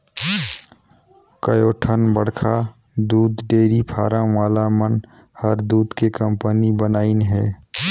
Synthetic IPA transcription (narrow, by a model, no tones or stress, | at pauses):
kəjoːʈʰənbəɽkʰa | d̪uːd̪ɖeːɾipʰaːɾə̃ʋaːlamən | həɾd̪uːd̪kekə̃mpənibənaːinɦɛː